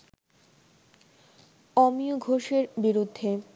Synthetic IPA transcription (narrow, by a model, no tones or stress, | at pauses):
ɔmioɡʱoʃeɾbiɾud̪ʱːe